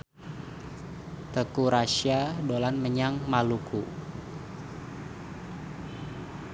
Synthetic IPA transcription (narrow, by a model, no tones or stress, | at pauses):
t̪əkuɾaʃiadolanməɲaŋmalukʰu